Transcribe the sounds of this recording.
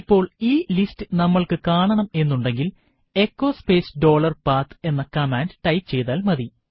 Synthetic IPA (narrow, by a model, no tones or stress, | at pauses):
pːo̞ːɭiːlistɨnɐmːɐɭkɨkaːɳɐɳɐme̞nːuɳɖe̞ŋɡil | e̞kːo̞ːspe̞ːsɖo̞ːɭɐrpaːrt̪ʰɨ̥e̞nːɐkɐmaːnɖɨʈɐjpt͡ɕe̞jt̪aːlmɐði